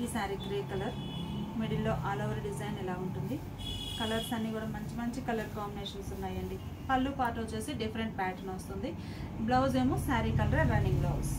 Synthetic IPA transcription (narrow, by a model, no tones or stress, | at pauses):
iːsaːɾikɾeːkɐlɐɾ | meɽilːo̞ːʔaːloːʋɐɾɖid͡ʒɐjnɛlaːuɳʈund̪i | kɐlɐɾsɐnːiːkuːɽaːmɐɲt͡ʃimɐɲt͡ʃikɐlɐɾkaːbineːʂɐnsunːaːjɐɳɖi | pɐlːupaːʈoːt͡ʃuːsiɖipʰɐɾeɳʈ̚paːʈɐnʋɐst̪und̪i | blɐwzeːmusaːɾikɐlɐɾeɾɐniŋɡblɐws